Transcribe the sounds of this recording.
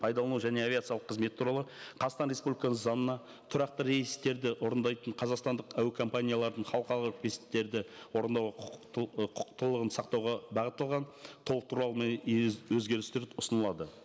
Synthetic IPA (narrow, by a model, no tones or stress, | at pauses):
pʰɑjd̪ɑlˠɑnuʒæneavʲiat̪sɨjɑlˠəqʰːəzme̞t̪ɪuɾɑlˠəqʰɑst̪ɑnɾe̞spublʲikɑəzɑnənɑ | t̪ʰʊɾɑqt̪əɾe̞jst̪e̞ɾd̪ɪʔo̞ɾənd̪ɑjt̪əɴqʰɑzɑqst̪ɑnd̪əqæwɪkʰo̞mpanʲijalˠɑɾd̪əɴχɑlˠəqɑɾlˠʁt̪̚kʲest̪ːe̞ɾd̪ɪwo̞ɾənd̪ɑwʁqqʰʊ̥qt̪ːəlˠəʁənsɑqt̪ɑwʁɑbɑʁət̪ːəlˠʁɑnt̪ʰolˠəqt̪ʰuɾɑlˠəmenwɵzɡʲe̞ɾɪst̪eɾʊsənəlˠɑd̪ə